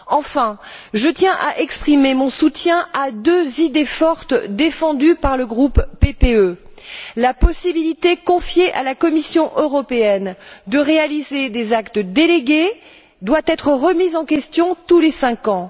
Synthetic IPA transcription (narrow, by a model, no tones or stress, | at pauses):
ɑ̃fɛ̃ʒət̪jɛ̃ʔaʔɛkspχimemɔ̃sut̪jɛ̃ad̪øzid̪efɔʁt̪d̪efɑ̃d̪ypaʁləɡʁupːepeølapɔsibilit̪ekɔ̃fjeʔalakɔmisjɔ̃ʔøʁɔpeɛnd̪əʁealized̪ezakt̪d̪eleɡʲe | d̪wat̪ɛt̪χəʁəmizɑ̃kʲɛst̪jɔ̃t̪ulesɛ̃kɑ̃